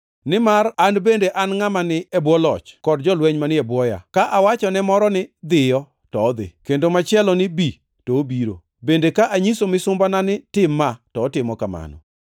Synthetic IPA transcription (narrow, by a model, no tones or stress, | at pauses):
nɪmaranbendeʔanŋamanɪɛbwɔlɔ̰t͡ʃkɔdd͡ʒɔlwɛɲmanɪɛbwɔja̰kaʔawat͡ʃɔnɛmɔɾɔnɪd̪ɪjɔ | tɔːd̪ɪ̰kendomat͡ʃɪɛlɔnɪbi | toːbiɾo̰ | bendekaʔaɲisomɪsʊmbananɪtɪmːatɔːtɪmɔkama̰nɔ̰